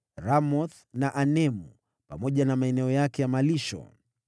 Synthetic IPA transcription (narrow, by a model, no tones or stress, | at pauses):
ɾamɔθ | naʔanɛmu | pamɔʄanamaɛnɛɔjakɛjamaliʃɔ̰